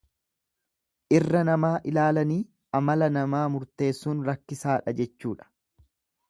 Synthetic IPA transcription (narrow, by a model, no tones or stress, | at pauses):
ʔɪrːɐnɐmaːʔɪlaːlɐniː | ʔɐmɐlɐnɐmaːmʊɾt̪e̞ːsːuːnɾɐkːɪsaːᶑɐd͡ʒɛt͡ʃːuːᶑɐ̥